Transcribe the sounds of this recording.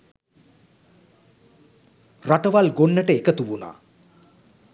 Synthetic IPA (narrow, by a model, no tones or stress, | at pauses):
raʈəʋalɡoɳːəʈəekət̪uʋuna̰ː